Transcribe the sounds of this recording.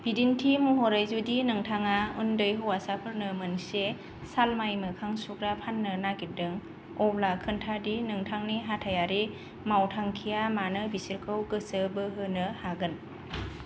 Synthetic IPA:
b̥idintʰimuɦɔɾajzudinɯŋtʰaŋaundɯjɦɯwasapʰɯɾnɯmɯnse | salmajmɯkʰaŋsukɾapʰanːɯnaɡidɯŋ | ɔblakʰɯntʰadinɯŋtʰaŋniɦatʰajaɾi | mawtʰaŋkʰijamanɯbisiɾkʰɯwɡɯsɯbɯɦɯnɯhaɡɯn

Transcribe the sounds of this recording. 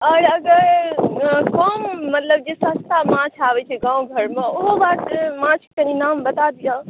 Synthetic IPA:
ɔːɾɐɡəɾ | kɔːmːɐt̪ləb̚d͡ʒesast̪amãːt͡ʃʰaːʋet͡ʃʰeɡãːũɡʱɐɾmẽʊɦobaːt̪mãt͡ʃʰkɐ̃ninaːmbɐt̪ad̪ijã

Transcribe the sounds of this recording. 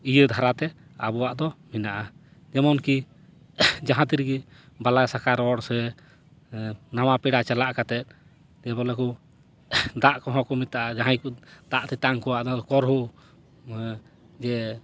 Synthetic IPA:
ijəd̪ʱaɾat̪ɛ | a̰bɔwaʔd̪ɔminaʔa | d͡ʒɛmɔnki | d͡ʒaɦãt̪iɾɡi | balasakaɾɔɽsɛ | namapɛɽat͡ʃalaʔkat̪ɛt̪̚ | d͡ʒɛbɔlɛku | d̪aʔkɔɦɔ̃kɔmit̪aʔad͡ʒaɦajkud̪aʔt̪ɛt̪aŋkɔwaʔd̪ad̪ɔkɔɾɦu | d͡ʒɛ

